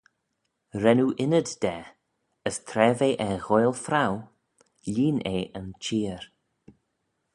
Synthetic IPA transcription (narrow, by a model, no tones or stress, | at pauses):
ɾɛnuʔɪnəddɛ | əst̪ʰɾɛːveʔɛɣojlˠfɾaw | liːneːʔənt͡ʃiːəɾ